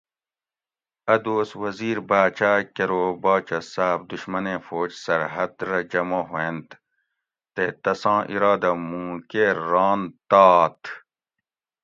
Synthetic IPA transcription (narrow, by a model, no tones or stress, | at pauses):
ɐd̪oːswɐziːɾbaːt͡ʃaːkɐɾoːbɑːt͡ʃɐsaːb̚d̪uɕmɐnẽːfoːd͡ʑsɐɾɦɐd̪ɾɐd͡ʑɐmõːɦoent̪ | t̪et̪ɐsɑ̃ːʔḭɾɑːd̪ɐmũːkeɾɑːnt̪ɑːt̪ʰ